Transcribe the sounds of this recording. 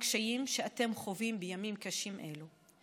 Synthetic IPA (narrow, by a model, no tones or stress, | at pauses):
kʃajimʃeate̞mχo̞vimbejamimkaʃimʔe̞̰lu